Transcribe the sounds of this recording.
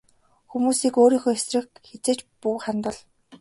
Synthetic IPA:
xumuːsiːkoːɾiːŋxoːesrɘ̆kxet͡seːt͡ɕpuːχant̪ə̆ɮ

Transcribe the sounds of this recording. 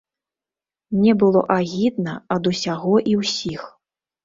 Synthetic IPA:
nʲɛbɨlˠɔ̰ʔaɣʲid̪̚nɐɐd̪usʲaɣɔʔiwsʲix

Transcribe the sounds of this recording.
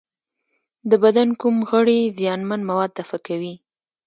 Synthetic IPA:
d̪əbad̪ankumɣəɽezjɑnmanmawɑd̪̚t̪afakawi

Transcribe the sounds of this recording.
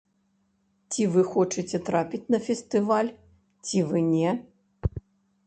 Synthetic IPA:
t͡sʲivɨxɔt͡ʂɨt͡sʲɛt̪ɾapʲit͡sʲnɐfʲɛst̪ɨvalʲ | t͡sʲivɨnʲɛ

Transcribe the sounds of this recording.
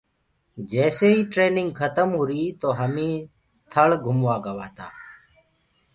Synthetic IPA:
d͡ʒɛːseːɦiːʈɾeːnɪŋɡkʰət̪əmɦʊɾiːt̪oːɦəmĩː | t̪ʰəɭɡʱʊmʋaːɡəʋaːt̪aː

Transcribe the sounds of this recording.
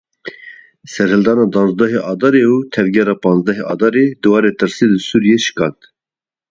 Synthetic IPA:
sɛɾhɨld̪ɑːnɑːd̪ɑːnzd̪ɛɦeʔɑːd̪ɑːɾeːut̪ʰɛvɡʲɛɾɑːpɑːnzd̪ɛɦeʔɑ̰ːd̪ɑːɾeːd̪ɨwɑːɾeːt̪ɨɾselɨsuːɾijeːʃɨ̥kɑːt̪

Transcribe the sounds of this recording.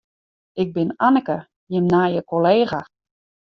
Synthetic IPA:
ɪɡ̚bɪnanəkə | jɪmnaːjəkoleːɣa

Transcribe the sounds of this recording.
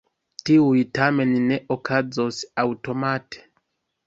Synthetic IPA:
tiujtame̞nːe̞ʔokʰazosawto̞mate̥

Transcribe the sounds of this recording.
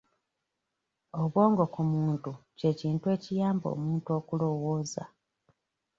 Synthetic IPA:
o̞βwo̞ːŋɡo̞kumuːntuce̞ːciːntuwe̞ːcijaːmbo̞̰ːmuːntuo̞ːkulo̞woːza̰

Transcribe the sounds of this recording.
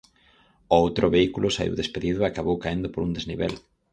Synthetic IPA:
oowt̪ɾʔoβeikulʊsaḭwðespeðiðʊeakaβowkaend̪ʊpoɾund̪ezniβḛl

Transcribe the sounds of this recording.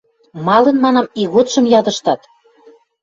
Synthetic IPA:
mɑlɤ̆nmɑnɑmiɣot̪ʃɤ̆mjɑd̪ə̆ʃt̪ɑt̪

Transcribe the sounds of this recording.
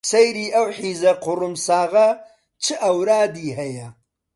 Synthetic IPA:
sɐjɾiːʔɐwħiːzɐqʰʊrɨmsaːʁɐ | t͡ʃʰɨʔɐwɾaːdiːɦɐjɐ

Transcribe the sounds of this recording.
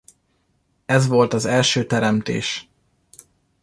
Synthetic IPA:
ɛzʋo̞lt̪ɒzɛlʃøːt̪ɛɾɛmt̪ḛːʃ

